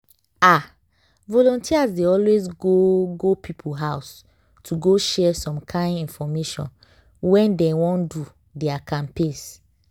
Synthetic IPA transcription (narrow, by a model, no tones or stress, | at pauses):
a | vɔlɔ̃ntʰiazdeɔlwezɡoɡopʰipʰuɦaʊs | tʰuɡoʃɛsɔ̃mkʰãɪ̃nĩnfɔmeʃɔ̰̃n | wɛ̃ndɛ̃wɔ̃ndu | dɛakʰãmpes